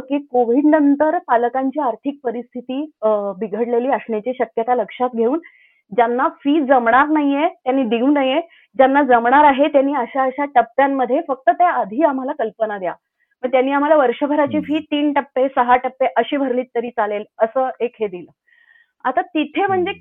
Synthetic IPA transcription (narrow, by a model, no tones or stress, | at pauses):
kiːkoʋiɖnənt̪əɾpaləkaɲt͡ɕiːaɾt̪ʰik̚pəɾist̪ʰit̪iːbiɡʱəɽleliːəsɳjat͡ɕiːɕəkjət̪aləkʂat̪ɡʱeuːn | d͡ʑanːafiːd͡zəmɳ̃aɾnaɦijet̪janːiːd̪iunaje | d͡ʑanːad͡zəmɳaɾaɦet̪janːiːəɕaəɕaʈəpːjamːəd̪ʱːjefək̚t̪ət̪jaːd̪ʱiːam̤alakəlpənad̪ja̰ | məɡt̪janːiːam̤alaʋəɾɕəbʱəɾat͡ɕiːfiːt̪iːnʈəpːesəɦaʈəpːeʔəɕiːbʱəɾliːt̪ːəɾiːt͡saleləsəːekɦed̪ilə | at̪at̪it̪ʰem̤əɳd͡ze